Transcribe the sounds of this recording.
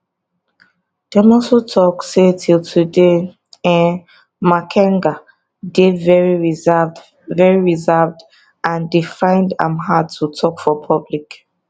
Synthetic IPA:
d̥ɛmɔsotʰɔksetʰiltʰude | ɛ̃n | makʰɛ̃ŋɡa | devɛɹiɹivd | vɛɹiɹizɛvd | ʔãndifãɪ̃ndã̰mɦad̚tʰutʰɔkfɔpʰʌblik

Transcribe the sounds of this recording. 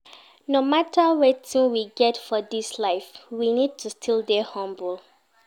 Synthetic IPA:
nomatəwɛtĩŋwiɡɛtfɔdislaɪfwinid̚tʰustʰilˠdehɔ̃mbulˠ

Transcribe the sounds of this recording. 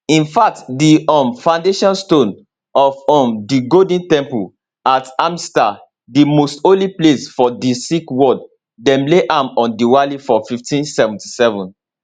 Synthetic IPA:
ĩnfak̚tdiɔ̃mfãʊ̃ndeʃɔ̃nstõn | ɔfɔ̃mdiɡodĩntɛ̃mpul | atamsta | dimostõliplesfɔdisikwɔd | dɛ̃mleʔãmɔ̃ndiwalifɔfiftĩnsɛvɛ̃nti̥sɛvɔ̃n

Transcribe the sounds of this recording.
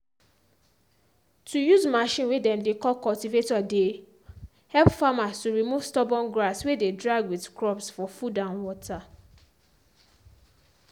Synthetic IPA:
tʰujuzmaʃĩnwedɛ̃mdekɔkɔltivetɔde | hɛlpfamastuɹimuv̥stɔbɔ̃nɡɹaswededɹaɡwiðkɹɔpsfɔfudãʊ̃nwɔtʰa

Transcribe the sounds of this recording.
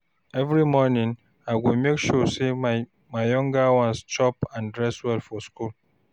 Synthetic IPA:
ɛvɾimɔnĩŋ | aɪɡomekʃɔse | maɪjɔ̃ŋɡawɔ̃nst͡ʃɔpãndɹɛswɛlfɔskul

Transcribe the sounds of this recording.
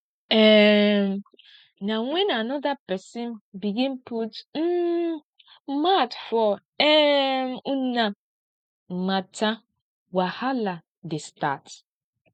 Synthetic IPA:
ɛm | nawɛ̃nanɔdapɛsĩnbiɡĩnputm̩ | matfɔ | ɛmunã | matã | wahala | destat

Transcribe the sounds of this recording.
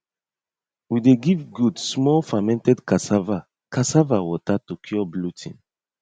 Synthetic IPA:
wideɡivɡudsmɔlfamɛ̃ntɛdkasava | kasavawɔtatokʰjɔblutʰḭ̃n

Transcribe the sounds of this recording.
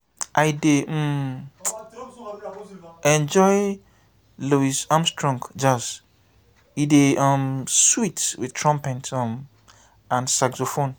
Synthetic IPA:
ʔaɪdem̩ | ɛ̃nd͡ʒɔɪ | luisãmstʰɹɔ̃ŋkd͡ʒas | ideãmswitswɪ̰̥tʰɹɔ̃mpɛ̃ntãm | ãnsaksofõn

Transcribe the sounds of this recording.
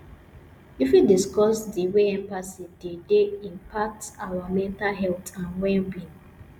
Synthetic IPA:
ifidiskɔsdiweɛ̃mbasidedeĩmpʰak̚tawamɛ̃ntalɦɛltãnwɛ̃nbĩn

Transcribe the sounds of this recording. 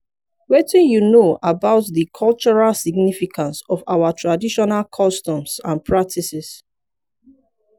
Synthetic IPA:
wɛtĩnjunoʔabaʊtðikʰɔlt͡ʃɔɹalsiɡnifikʰãnsɔfawatʰɹadiʃɔnalkʰɔstɔ̃msã̰npʰɹak̚tʰisis

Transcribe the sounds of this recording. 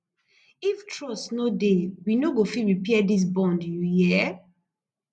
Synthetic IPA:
iftʰɹɔsnodewinoɡofiɹipɛɛdis̬bɔ̃ndjujɛ

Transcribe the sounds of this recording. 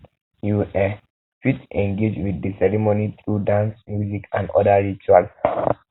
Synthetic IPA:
juʔɛ | fitɛ̃ŋɡed͡ʒwidisɛɹimonitʰɹudãnsmjuzikã̰ndɔ̰daɹit͡ʃuals

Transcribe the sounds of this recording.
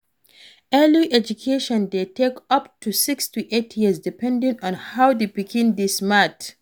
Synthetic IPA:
ɛliʔɛd͡ʒukʰeʃɔ̃ndetʰekʌptʰusɪkstuʔetʰjizdipɛ̃ndĩnɔ̃nhawdepikʰĩnd̪ismat

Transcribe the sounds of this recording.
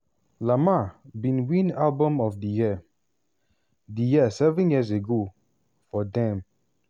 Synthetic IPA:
lamabĩnwĩnalbɔ̃mɔfdəji | dijiəsɛvɛ̃njiəseɡo | fɔdɛ̃m

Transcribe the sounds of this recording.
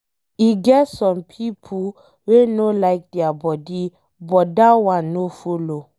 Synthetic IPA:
iɡɛtsɔ̃mpʰipʰu | wenolaɪk̚dɛabɔdi | bɔtdawãnːofolo

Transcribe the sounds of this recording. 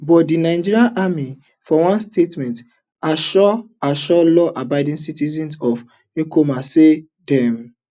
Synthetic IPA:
bɔtdinaɪd͡ʒiɹiaʔami | fɔwãnstetmɛ̃nt | aʃɔ | aʃɔlɔʔabaɪdĩnsitizĩnsɔf | ekomase | dɛm

